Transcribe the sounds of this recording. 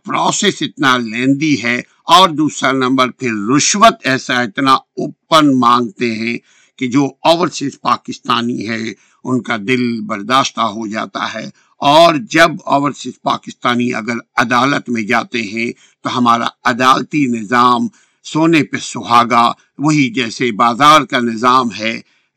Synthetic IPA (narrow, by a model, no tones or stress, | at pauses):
pɾɔːseːsɪt̪nalɛ̃ːnd̪iɦɛ | ɔːɾd̪uːsɾanɐ̃mbəɾpʰɪɾːʊʃʋət̪ɛːsaɪt̪naʊpːənmãːŋɡt̪eɦɛ̃ | ked͡ʒoːɔːʋəɾsɪspaːkɪst̪aːniɦɛ | ʊnkad̪ɪlbɐɾd̪aːʃt̪aɦod͡ʒa̰ːt̪a̰ɦɛː | ɔːɾd͡ʒɐbɔ̰ːʋəɾsɪspa̰ːkɪst̪aːniʔɐ̰ɡəɾɐd̪aːlət̪mẽd͡ʒaːt̪eɦɛ̃ | t̪oɦɐmaːɾa̰ɐd̪aːlt̪inɪzaːm | soːnepɐsʊɦaːɡa | ʋɐɦid͡ʒɛːsebaːzaːɾkanɪzaːmɦɛː